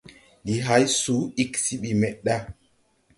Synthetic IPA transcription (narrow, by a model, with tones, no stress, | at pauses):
ɗi˨ɦa˨˦jsuː˨˦i˦ksi˦ɓi˨mɛ˨ɗa˦